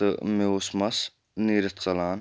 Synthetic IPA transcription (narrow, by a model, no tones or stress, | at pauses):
meusmɐs | niːɾət̪ʰt͡sɐlaːn